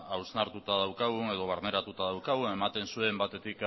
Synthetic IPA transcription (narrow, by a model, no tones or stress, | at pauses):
awznaɾt̪ut̪aðawkaɣ̞une̞ð̞o̞β̞aɾne̞ɾat̪ut̪aðawkaɣue̞mat̪e̞nsue̞mbat̪e̞t̪ik